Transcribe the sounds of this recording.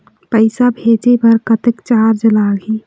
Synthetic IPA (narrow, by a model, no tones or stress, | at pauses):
pəɪsabʱed͡ʒepəɾkət̪ekt͡ʃaɾd͡ʒlaɡe